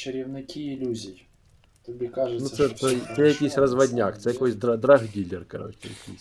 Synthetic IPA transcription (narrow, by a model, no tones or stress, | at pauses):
t͡ʃɪɾʲɪwnɪkʲiːlʲuzʲij | t̪ɪbʲikaʒɨnussɛt̪oɛjɐkʲijsʲrɐzʋɐdʲnʲakt̪sɛjɐkojsʲd̪ɾɐd̪ɾɐɣdʲilʲɪrkɐɾo̰t͡ɕɪ̰jɐ̰kʲḭjsʲ